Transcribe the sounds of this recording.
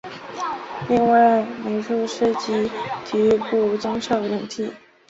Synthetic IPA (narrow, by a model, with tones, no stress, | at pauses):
li˥˧ŋwa˥˩ɪme˧˥ɪʂu˥˩ʂə˥˧t͡ɕi˥t̪y˧˥pu˥˩˧t͡sʊ˥ŋʂɑ˥˩ʊ˩ə˨˧˩nt̪ʰi˥˩